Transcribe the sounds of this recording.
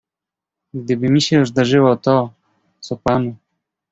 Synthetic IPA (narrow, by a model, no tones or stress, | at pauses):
ɡd̪ɘbɘmʲiɕɛzd̪aʐɘwɔt̪ɔ | t͡s̪ɔpanu